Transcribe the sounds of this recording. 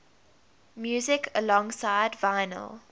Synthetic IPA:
mjuːzɪkʰəlɔ̃ŋsaɪdvaɪnə̰lˠ

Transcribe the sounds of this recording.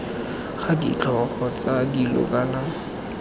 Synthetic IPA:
χadḭt͡ɬʰʼɔχɔt͡sadilɔ̰kʼana

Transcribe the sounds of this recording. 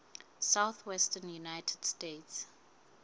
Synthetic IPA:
sawθwɛstənjunajtʰɛd̥stets

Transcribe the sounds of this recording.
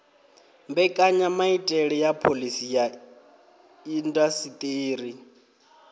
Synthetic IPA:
mbɛkʼaɲamaitʼɛɺɛjapʰolisija | indasit̪ʼeːri

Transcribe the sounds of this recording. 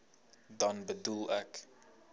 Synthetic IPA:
dɐnbədulˠɛk

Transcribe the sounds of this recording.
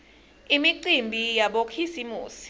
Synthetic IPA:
imiǀimbʱijaɓokʰisimuːsi̥

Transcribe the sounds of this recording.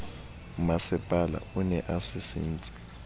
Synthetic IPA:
umasɛpʼala̰unɛʔasisḭːnt͡sʼi̥

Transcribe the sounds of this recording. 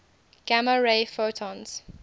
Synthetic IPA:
ɡ̥aməɹeɪfotʰɔ̃nz̥

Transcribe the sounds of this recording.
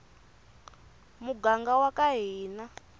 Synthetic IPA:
muɡaŋɡawakaɦiːna

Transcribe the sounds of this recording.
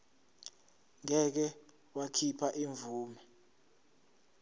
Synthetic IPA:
ŋɛk̬ɛ | wakʰipʰaʔiɱvuːmɛ

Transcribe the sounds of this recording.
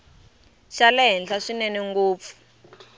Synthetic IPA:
ʃalɛɦɛnɬaʂinɛniŋɡuːp̪fu̥

